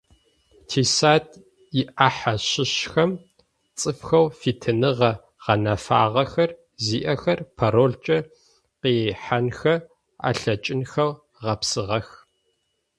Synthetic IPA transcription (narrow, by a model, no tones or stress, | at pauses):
tʰiːsaːtʼ | jɪʔaːħaɕɪɕxɐm | t͡sʼɨfxɐwfiːtʰɨnɨʁɐ | ʁ̥ɐnɐfa̰ːʁɐxɐr | ziːʔɐxɐrpʰɐɾoːɮt͡ʃʼɐ | qeːħanxɐ | a̰ːɬɐt͡ʃʼɪnxɐw | ʁɐpsɨʁɐx